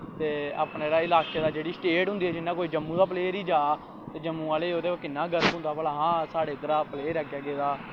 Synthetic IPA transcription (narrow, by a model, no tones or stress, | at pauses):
t̪eːa̰ːpnːeɾaːɪlaːkeːd̪aːd͡ʒeːɽiːsʈeːʈɦʊ̃nd̪iːɛːd͡ʒɪnːãːkoːiːd͡ʒəmːũːd̪aːpleːɾiːd͡ʒaː | t̪eːd͡ʒəmːũːaːleːoːd̪eːkɪnːaːɡəɾəbɦʊ̃nd̪aːpəlaːɦãːsaːɽeːt̪əɾaːpəleːɾɛːɡjaːɡeːd̪aː